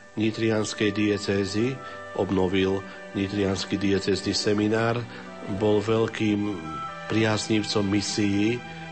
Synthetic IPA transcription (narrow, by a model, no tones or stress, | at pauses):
ɲit̪ɾɪanskɛjd̪iɛt͡sɛːzi | ʔɔbnɔʋil | ɲit̪ɾɪanskid̪iɛt͡sɛːznisɛminaːɾ | bɔlʋɛʎkiːmpɾɪazɲiʊt͡sɔmːisiji